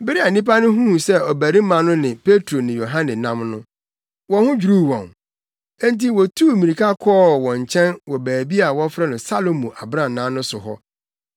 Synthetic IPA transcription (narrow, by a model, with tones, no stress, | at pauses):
bɪ˦ɾi˦a˨nĩ˦p̬a˦nʊ̃˦ɦũ˦˨sɛ˦ɔ˨bæ˨ɾĩ˦mã˨nʊ̃˦nɪ̃˨pe˦tʰɾo˨nɪ̃˨jo˨ɦã˦nɪ̃˨nã̰˦mnʊ̃˦ | wɔ̃˨hʊ̃˦d͡ʑᶣu˨ɾu˦˨wɔ̰̃˨n | ɛ̃˦nt̬i˦wɔ˨tʰuː˦˨mĩ˨ɾi˨kʰa˦kʰɔː˦˨wɔ̃˨ɲ˨t͡ɕʰɛ̃˦nwɔ˨bæː˨bi˦a˨wɔ˦fɾɛ˦nʊ̃˨sa˦lo˨mũ˨ʔa˨bɾã˦˨nãː˨˦nʊ̃˦sʊ˨ɦɔ˦